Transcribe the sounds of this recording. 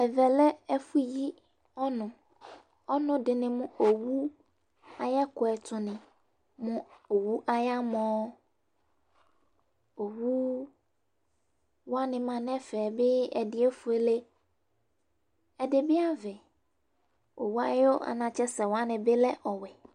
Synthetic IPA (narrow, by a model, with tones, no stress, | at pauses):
ɛ˨vɛ˨lɛ˦ɛ˦fu˦ji˦ | ɔ˦nʊ̃˨ | ɔ˦nʊ̃˦dɪ˨nɪ̃˨mʊ̃˦o˨wu˦ | a˨ja˦kʊ˨ɛ˨tʰʊ˨nɪ̃˨ | mʊ̃˦o˨wu˦ʔa˦ja˦mɔ̃ː˨˦ | o˨wu˦ | wa˦nɪ̃˨mã˨nɛ̃˦fɛ˨bɪ˦ɛ˨dɪ˨e˦fʊ˨e˦le˦ | ɛ˨dɪ˨bɪ˦a˦vɛ˨ | o˨wu˦a̰˦jo˦ʔa̰˨nã˨t͡ʃɛ˦sɛ˨wa˦nɪ̃˨bɪ˦lɛ˦ʔɔ˨wɛ˨